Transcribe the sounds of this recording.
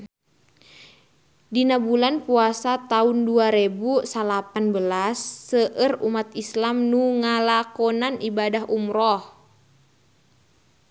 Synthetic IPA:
dinabulanpuasat̪aunduaɾebusalapanbəlasːəʔərumat̪̚islamnuŋalakɔnanibadaɦumɾɔh

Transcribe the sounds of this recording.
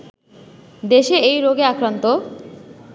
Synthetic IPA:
d̪eʃeejɾoɡeakɾant̪o

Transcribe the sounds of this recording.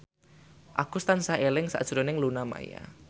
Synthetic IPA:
ʔaɡ̥ʊst̪ansaelɪŋsa̰ʔd̥ʒ̥ɾonɪŋlunama̰ja̰

